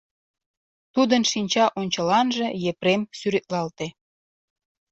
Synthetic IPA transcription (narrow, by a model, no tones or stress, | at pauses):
t̪ud̪ənʃinʲt͡ɕɑʔonʲt͡ɕəlɑnʒĕjepɾemsyɾet̪̚lɑlt̪e